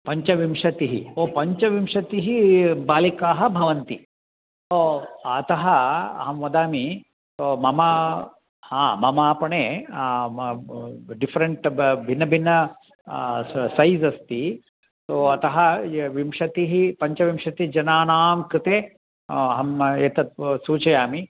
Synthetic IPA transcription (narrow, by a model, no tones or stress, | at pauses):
pɐɲt͡ʃɐʋimʂɐt̪iɦḭoːpɐɲt͡ʃɐʋimʂɐt̪iɦibaːlikaːɦɐ̆bʱɐʋɐnt̪i | soɐt̪ɐɦɐɐ̰ɦɐmʋɐd̪aːmi | soːmɐmɐ | hãːmɐmaːpɐɳeː | ɖifɐɾɐɳʈbʱinːɐbʱinːɐ | sɐjzɐst̪i | t̪oːɐt̪ɐɦɐʋimʂɐt̪iɦipɐɲt͡ʃɐʋimʂɐt̪id͡ʒɐnaːnaːmkɾɪt̪eː | ɐɦɐmeːt̪ɐt̪̚suːt͡ʃɐjaːmi